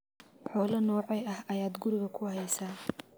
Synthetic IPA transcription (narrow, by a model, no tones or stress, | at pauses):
ħɔːlɐnɔːʕɛjɐhɐjaːd̪ɡʊɾɪɣɐkʰʊhɛjsaː